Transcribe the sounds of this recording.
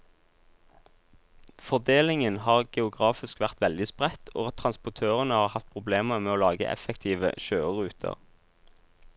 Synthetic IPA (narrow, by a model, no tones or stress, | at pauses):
fɔʁd̪eːlɪŋənhɑːʁɡ̥ɛʊɡʁɑːfɪskʋæʁt̪ʋɛld̪ɪspʁɛt̪ʰo̰ːɑt̪ʰʁɑnspʊt̪ʰøːʁənəhɑːʁhɑt̪̚pʰʁʊbleːməʁmeːoːlɑːɡə̰ʔɛ̰fɛkt̪ʰiːʋə̰ʃøːəʁʉːt̪ʰə̰ʁ